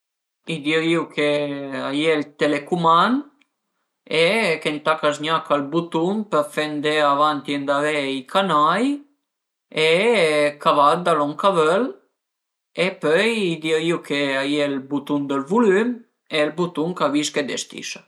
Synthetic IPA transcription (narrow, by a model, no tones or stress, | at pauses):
id̪iɾiwkʰeajɛlt̪elekuman | ekent̪akasɲakalbut̪unpəɾfɛnd̪eavant̪jend̪avɛikʰanaj | ekavad̪alɔŋkavœl | epœjid̪iɾiwkʰeajɛlbut̪und̪əlvulym | elbut̪uŋkaviʃked̪est̪ḭʃa